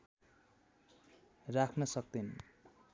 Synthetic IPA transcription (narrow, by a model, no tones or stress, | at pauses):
rakʰnʌsʌk̚d̪in